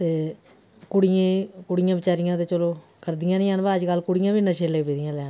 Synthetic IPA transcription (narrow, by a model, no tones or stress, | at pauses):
t̪eː | kʊɽɪjẽːkʊɽɪjãːbɪt͡ʃaːɾɪjãːt̪eːt͡ʃəloːkəɾd̪ɪjãːnĩːənʋaːəd͡ʒkəlkʊɽɪjãːbiːnəʃeːleːkpeːd̪ɪjãːlɛ̃ː